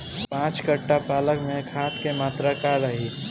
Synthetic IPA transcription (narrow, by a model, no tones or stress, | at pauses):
pãːt͡ʃkəʈːapaːləkmẽkʰaːt̪kemaːt̪ɾakaɾɾəɦi